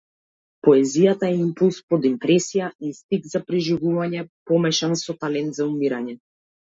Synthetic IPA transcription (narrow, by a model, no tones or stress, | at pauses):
pɔɛzijat̪aɛimpulˠspɔd̪impɾɛsijaist̪iɡ̪zapɾiʒivuvaɲɛpɔmɛʃansɔt̪alɛnt̪zaumiɾaɲɛ